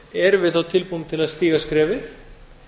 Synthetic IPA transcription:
ɛɾvɪðθawt̪ʰɪlpujmt̪ʰɪlaðst̪iːɣaskɾɛːvɪθ

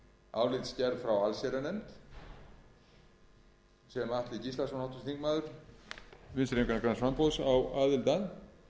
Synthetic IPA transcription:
a̰ːwlɪt̪scɛɾvfɾawalsɛɾanɛnt̪ | sɛmaht̪lɪcisasɔnhawt̪ʏst̪iŋkmaːðʏɾ̥ | vɪnsɾemkanakɾansvampowsawaːðɪlt̪an

